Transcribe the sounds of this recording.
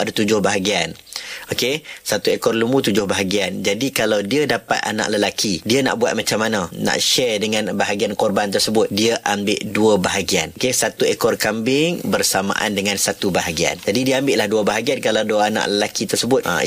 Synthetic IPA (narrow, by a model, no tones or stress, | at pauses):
adat̪ud͡ʒʊhbaɦaɡian | okesat̪uekɔrlumut̪ud͡ʒʊhbaɦaɡiand͡ʒadikalawdiadapat̪̚a̰nã̰ʔləlakʰidiana̰ʔbuat̪̚mat͡ʃamːanãnã̰ʔʃɛrdəŋãnbaɦaɡiankɔrbant̪ərsəbʊt̪̚diaʔambɪ̰ʔduəbaɦaɡianokesat̪uekɔrkambɪŋbərsama̰ʔa̰ndəŋãnsat̪ubaɦaɡia̰nd͡ʒadidiəambɪʔlahduəbaɦaɡiankalawduaana̰ʔləlakit̪ərsəbʊt̪ʔə̰